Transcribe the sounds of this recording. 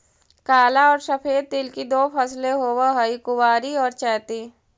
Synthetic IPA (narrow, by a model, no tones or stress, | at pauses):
kaːlaɔːɾʃəpʰeːd̪̚ːɪlkid̪oːpʰəsleɦoːwaɦəikʊwaːɾiɔːɾt͡ʃɛːt̪i